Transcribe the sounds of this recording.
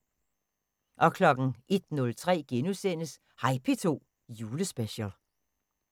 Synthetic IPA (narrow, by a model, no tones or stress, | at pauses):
ʔɒ̽kʰlɒ̽ɡ̥ŋ̩ʔe̝d̥nɔ̽lt͡sʰʁɛ̰ːɡ̥enusen̰əs | hɑ̈ɪpʰe̝t͡sʰo̝̰ː | juːləsb̥eɕəl